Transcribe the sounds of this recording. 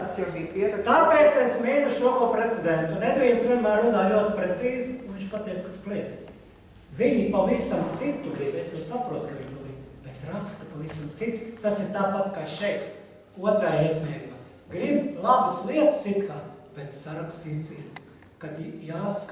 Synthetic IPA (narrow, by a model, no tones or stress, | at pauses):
sibipiɛt̪kapeːt̪sesmeːnuʃuɔkoɔpɾet̪sed̪ɛnt̪uned̪viɛnsʋʲiɛnmæːɾːunaːlʲuɔt̪ɪpɾet̪siːzunʋiɲʲt͡ʃpat̪ɛːjt̪skaspliɛt̪ | viɲipaʋisamt̪sit̪ːuɡɾibesjɛwsapɾuɔt̪kɐʋiɲpalib̥et̪ɾakst̪ɐpaʋisamt̪sit̪ːut̪asiɾt̪aːpat̪kaʃɛjt̪ | uɔt̪ɾaːiɛsʲnʲiɛɡumaː | ɡɾiblˠabəslˠiɛt̪sit̪kaːb̥et̪saɾakst̪ist̪sil | kat̪jaːsk